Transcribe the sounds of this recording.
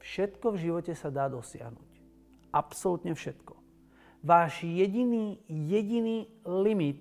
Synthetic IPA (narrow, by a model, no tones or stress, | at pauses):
fʃɛt̪kɔvʒiʋɔcɛsad̪aːd̪ɔsɪa̰ɦnṵc | ʔapsɔlut̪ɲɛfʃɛt̪kɔ̥ | ʋaːʒjɛɟiniːjɛɟiniːlimit̪